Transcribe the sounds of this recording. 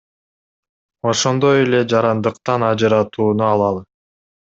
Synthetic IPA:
o̞ʃo̞nd̪o̞je̞le̞d͡ʒɑɾɑnd̪ɯqt̪ɑnɑd͡ʒɯɾɑt̪uːnuɑlˠɑlˠɯ

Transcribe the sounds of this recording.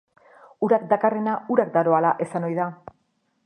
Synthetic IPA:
uɾakd̪akare̞nauɾakd̪aɾo̞alaʔe̞sano̞jða

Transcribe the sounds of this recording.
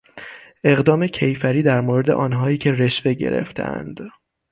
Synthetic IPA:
ʔe̞ɣd̪ɒːme̞cʰe̞jfæɾiːd̪æɾmoɾed̪e̞̰ʔɒːnɦɒːiːcʰeɾe̞ʃve̞ɟe̞̰ɾḛft̪ʰḛʔæ̰nd̪̥

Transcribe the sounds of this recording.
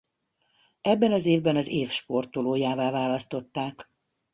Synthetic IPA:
ɛbːɛnɒzeːvbɛnɒzeːfʃpo̞rt̪oloːjaːvaːvaːlɒst̪o̞t̪ːaːk

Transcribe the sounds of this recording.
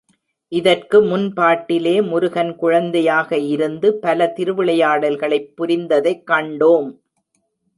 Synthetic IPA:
ʔɪðɐrkɯmʊnpaːʈːɪleːmʊɾɯɣɐnkʊɻɐnd̪ɐjaːɣɐɪɾɯnd̪ɯpɐlɐt̪ɪɾɯʋɪɭɐjaːɽɐlɣɐɭɐɪpːʊɾɪnd̪ɐðɐɪkːɐɳɖoːm

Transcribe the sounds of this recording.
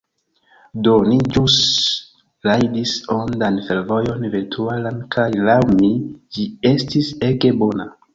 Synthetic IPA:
do̞nid͡ʒus | lajdisondanfe̞ɾvo̞jo̞nveɾtʰualankʰajlawmid͡ʒie̞stise̞ɡe̞bo̞na

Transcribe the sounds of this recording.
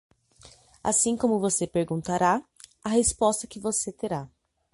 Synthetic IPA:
a̰sĩkõmʊvosepeɾɡũnt̪aɾa | ɐɦespɔst̪ɐkɪvoset̪eɾa

